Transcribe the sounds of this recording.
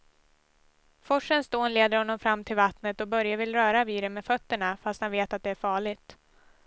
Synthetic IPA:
fɔʂənsd̪oːnleːd̪əɾhɔnːɔmfɾamːt̪ʰɪlvat̪nət̪ɔbœɾjavɪlːɾœːɾaviːɾəmːeːdfœt̪ːəɳafast̪hanveːt̪at̪̚d̪ɛæɾfɑːɭɪt̪

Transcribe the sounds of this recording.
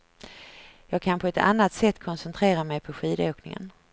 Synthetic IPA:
jɑːɡ̚kʰanpʰɔɛt̪ʰa̰nːat̪sɛt̪ːkʰɔnsɛnt̪ʰɾeːɾamɛjpʰɔɧiːd̪oːknɪ̰ŋə̰n

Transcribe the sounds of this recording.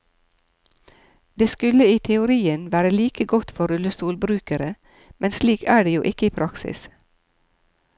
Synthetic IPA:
d̪eːskʉləiːt̪ʰɛʊɾiːənʋæːɾəliːkəɡɔt̪fɔɾʉləst̪uːlbɾʉːkəɾə | mʔɛnsliːkæːɖeːjuːʔɪkəiːpʰɾɑksɪ̰s

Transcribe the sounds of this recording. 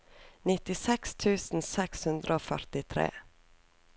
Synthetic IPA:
nɪt̪ɪsɛkst̪ʰʉːsn̩sɛkshʉnd̪ɾʔəoːfœ̰ɾt̪ɪt̪ʰɾḛː

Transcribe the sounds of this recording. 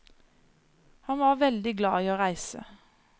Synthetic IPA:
hɑnʋɑːʁʋɛld̪ɪɡlɑ̰ːiːoːʁæɪsə̰

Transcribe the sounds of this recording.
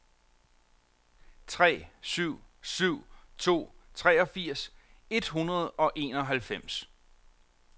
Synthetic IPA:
t͡sʰʁɛ̰ːsyʊ̰syʊ̰t͡sʰo̝̰ːt͡sʰʁɛːɒ̽fiɐ̰se̝d̥ɦunɐð̞ˠɒ̽ʔe̝̰ːnɒ̽ɦælfem̰s

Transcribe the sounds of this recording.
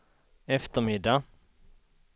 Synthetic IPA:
ɛft̪əɾmɪd̪ːa

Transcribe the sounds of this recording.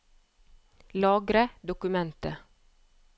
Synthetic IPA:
lɑːɡɾəd̪ʊkʉmɛnt̪ə

